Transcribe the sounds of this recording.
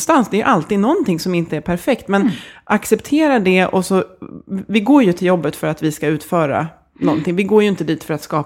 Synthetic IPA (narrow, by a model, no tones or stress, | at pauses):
st̪ansd̪ɛːɾjɵ̰ʔalt̪iːd̪nɔnt̪ʰɪŋsɔmɪnt̪əæɾpʰæɾfɛkt̪mɛnʔaksɛpt̪ʰeːɾaɖɛʔɔsɔ | vɪɡoːɾjɵt̪ʰɪljɔbːət̪fœɾat̪vɪskaʉ̟ːt̪fœːɾa̰ | nɔnt̪ʰɪŋvɪɡoːɾjɵɪnt̪əd̪iːt̪fœɾat̪skɑː